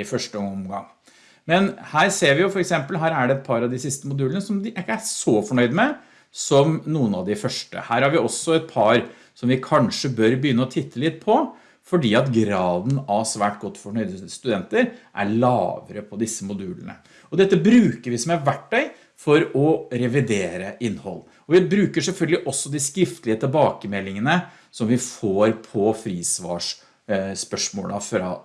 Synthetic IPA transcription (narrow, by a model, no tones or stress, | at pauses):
ɪfœʂʈəɔmɡɑ̰ŋː | mɛnhæːɾseːɾʋɪjʊfɔɾɛksɛmpəlɦæːɾæɖɛɛt̪̚pʰɑɾɑʋd̪ɪsɪst̪əmʊd̪ʉːlənəsɔmd̪ɪʔɪkːəæsɔfɔɳœʏd̪əmɛ | sɔmnuːənɑʋd̪ɪfœʂʈə̰hæːɾhɑɾʋɪɔsːɔɛt̪̚pʰɑɾ | sɔmʋɪkʰɑnʂəbœɾbəjʏnːəɔt̪ʰɪt̪ʰːəlɪt̪̚pʰɔ | fɔɖiːɑt̪ɡɾɑːd̪nɑʋsʋæːʈɡɔt̪ːfɔɳœʏd̪əst̪ʉd̪ɛnt̪əɾʔæ̰ɭɑ̰ːʋə̰ɾəpʰɔd̪ɪsːəmʊd̪ʉːlənə̰ | ɔd̪ɛt̪ːəbɾʉːkəɾʋɪsɔmæʋæʈːɛɪ | fɔɾɔɾɛʋɪd̪eːɾəʔɪnːhɔ̰lː | ɔʋɪbɾʉːkəʂɛlfœlɡəlɪʔɔsːɔd̪ɪskɾɪft̪əlɪət̪ʰɪlbɑːkəmɛlːɪŋənə | sɔmʋɪfoːɾpʰɔfɾiːsʋɑ̰ːʂ | spœʂmoːlɑfɾɑ̰